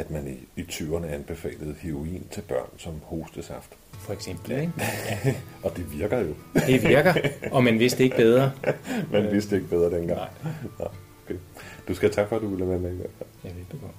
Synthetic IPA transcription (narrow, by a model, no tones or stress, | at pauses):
æd̥mæniit͡sʰyʊɐnəæɐenb̥e̝fɛ̰ːləð̞̩ˠheʁo̝ḭːnt͡sʰe̝lb̥ɶɐ̰nsɒ̽mho̝ːsd̥əsɑ̈fd̥ | fɒeɡ̥sem̰b̥l̩eæɒ̽d̥e̝ʋiɐɡ̥ɐjo̝d̥eʋiɐɡ̥ɐʔɒ̽mænʋe̝sd̥ee̝ɡ̥b̥eð̞ˠʁɐmænʋe̝sd̥ee̝ɡ̥əb̥eð̞ˠʁɐd̥enɡ̥ɑ̈ŋ̰nɑ̰̈ɪ̰okʰḛd̥usɡ̥æt͡sʰɑ̈ɡ̥fɒ̽æd̥uʋilæmemeiʋeɐ̰fæjɑʋe̝̥d̥ukɒ̽d̥